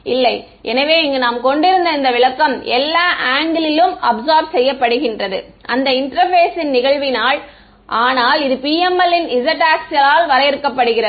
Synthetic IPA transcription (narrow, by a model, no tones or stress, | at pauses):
ʔɪlːɐɪ | ʔɛnɐʋeːɪŋɡɐnaːmkɔɳɖɪɾɯnd̪ɐɪnd̪ɐʋɪɭɐkːɐmɛlːaːʔaːŋɡɪlɪlɯmɐbzaːɾʋsɛjːɐpːɐɽɯɣɪndrɐðɯ̰ | ʔɐnd̪ɐɪɳʈɾɐɾfeːsɪnnɪɣɐɭʋɪnaːɭ | ʔaːnaːlɪðɯpiːɛmɐlɪnɪzɐʈaːksɪɐlaːlʋɐɾɐjɪɾɯkːɐpːɐɽɯɣɪrɐ